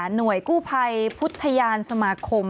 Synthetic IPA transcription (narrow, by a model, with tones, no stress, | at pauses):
nu˨˩əjkuː˥˩pʰa˧jpʰu˦˥t̪ʰːa˧jaː˧nsa˧maː˧kʰo˧m